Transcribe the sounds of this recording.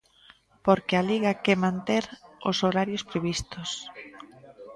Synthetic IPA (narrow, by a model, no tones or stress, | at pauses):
poɾkɪaliɣakɛmãnt̪eɾo̰soɾaɾjospɾeβ̞ist̪os